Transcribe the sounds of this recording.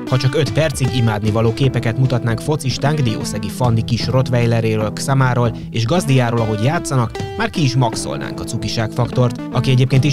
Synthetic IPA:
hɒt͡ʃɒkø̞t̪pɛrt̪siɡimaːd̪nivɒloːkeːpɛkɛt̪mut̪ɒt̪naːŋkfo̞t̪siʃt̪aːŋkd̪io̰ːsɛɡifɒnd̪ikiʃro̞t̪ʋɛjlɛɾeːɾøːlksaːmaːɾoːl | eːʒɡɒzd̪ijaːɾoːlɒɦo̞ɟjaːt̪sɒnɒkmaːrkiːʃmɒkso̰lna̰ːŋkɒt̪sukiʃaːkfɒkt̪o̞rt̪ | ɒkiɛɟeːp̚keːnt̪i

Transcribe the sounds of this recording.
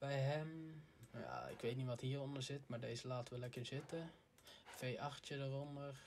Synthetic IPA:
b̥ɛjɦɛmja̰ɪ̰kʋeːtniʋɔthiərɔndəɹz̥ɪtmaɹdeːzəlaːtəʋəlɛkəɹzɪtə | feːʔɑxtjədərɔndər

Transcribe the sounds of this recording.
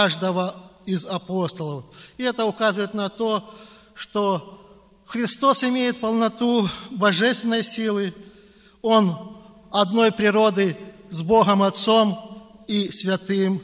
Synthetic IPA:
aʐd̪əvəizɐpo̞st̪əlˠəfɪɛt̪əʊkazʊəjɪt̪nɐt̪o̞ | ʂt̪o | xɾʲɪst̪o̞sɪmʲejɪt̪̚pəlˠnɐt̪ubɐʐɛsʲt̪vʲɪnːəjsʲilˠɨ | on | ɐd̪no̞jpɾʲɪɾo̞d̪ɨzbo̞ɣəmɐt̪so̞misʲvʲɐt̪ɨm

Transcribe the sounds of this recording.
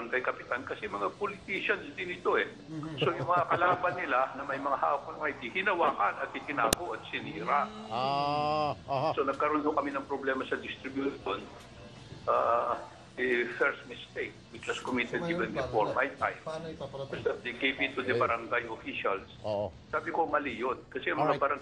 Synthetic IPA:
bɐɾɐŋɡajkɐpɪt̪ankɐsɛmɐŋapolɪt̪iʃɐnsd̪ɪnɪt̪o̞ʔɛ | so̞jʊŋmɐŋakɐlaːbɐnːɪlanɐmɐjmɐŋaha̰ːʔok̚ɐŋɐjd̪ihɪnɐwaːkɐnɐt̪̚ʔɪt̪ɪnaːɡo̞ʔɐt̪̚sɪniːɾaʔ | so̞nɐɡ̚kɐɾo̞nhokɐminɐŋpɾoblɛːmɐsɐd̪ɪst̪ɾɪbjuʃon | ʔa | dɪfɛɹsmɪst̪ejk̚wɪt͡ʃlɐskomit̪ɛd̪̚ɡibɛnd̪ɪfoɹmajt̪a̰jmkɐst̪ad̪ɛkejpit̪ud̪ɛbɐɾɐŋɡajofiʃalssaːbɪko̞mɐliːjot̪̚kɐsɛɐmɐŋabɐɾɐŋ

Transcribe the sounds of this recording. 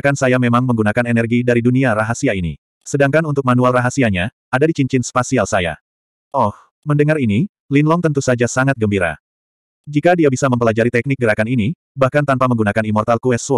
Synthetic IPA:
kansajamemaŋməŋɡunakanɛnɛrɡidaɾiduniaraɦasiainḭ | sədaŋkanunt̪ʊuk̚manualraɦasiaɲa | adadit͡ʃiɲt͡ʃɪnspasialsaja̰ | ʔɔh | məndəŋarini | linlɔŋt̪ənt̪usad͡ʒasaŋat̪̚ɡəmbiɾa̰ | d͡ʒikadiabisaməmpəlad͡ʒaɾit̪ɛk̚nɪk̚ɡəɾakanini | bahkant̪anpaməŋɡunakanimɔrt̪alkuɛso

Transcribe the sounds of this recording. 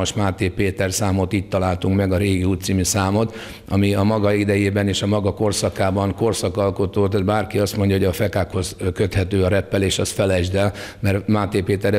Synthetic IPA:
ʃmaːt̪eːpeːt̪ɛrsaːmo̞t̪iːc̚t̪ɒlaːlt̪uŋkmɛɡɒɾeːɡiuːt̪simisaːmo̞t̪ | ʔɒ̰miɒmɒɡɒid̪ɛjeːbɛneːʃɒmɒɡɒko̞rsɒkaːbɒŋko̞rsɒkɒlko̞t̪oːt̪at̪baːrkiɒst̪mo̞ɲɟɒɦoɟɒːfɛkaːkho̞zkø̞t̪hɛt̪øːɒɾɛpːɛleːʃɒsfɛlɛʒd̪ɛlmɛrmaːt̪eːpeːt̪ɛɾɛ

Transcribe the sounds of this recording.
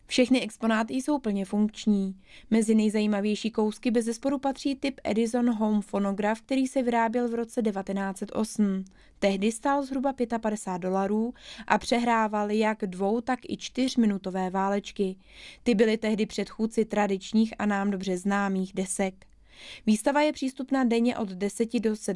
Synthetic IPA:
fʃɛxnɪʔɛkspo̞naːt̪ɪjso̞wpl̩ɲɛfuŋkt͡ʃɲiː | mɛzɪnɛjzajiːmavjɛjʃiːko̞wskɪbɛzɛspo̞ɾupat̪r̝̥iːt̪ɪpʔɛ̰dɪzo̞nɦo̞wmfo̞no̞ɡɾafk̚t̪ɛɾiːsɛvɪɾaːbjɛlvɾo̞t͡sɛdɛvat̪ɛnaːt͡sɛt̪ʔo̞̰sm̩ | t̪ɛɦdɪst̪alzɦɾubapjɛt̪apadɛsaːt̪̚do̞laɾuːʔapr̝̥ɛɦɾaːvaljaɡdvo̞wt̪akɪ̰t͡ʃt̪ɪr̝mɪnut̪o̞vɛːvaːlɛt͡ʃkɪ | t̪ɪbɪlɪt̪ɛɦdɪpr̝̥ɛt̪xuːt͡sɪt̪ɾadɪt͡ʃɲiːxʔa̰naːmdo̞br̝ɛznaːmiːxdɛsɛk | viːst̪avajɛpr̝̥iːst̪upnaːdɛɲɛʔo̞d̪dɛsɛcɪdo̞sɛ

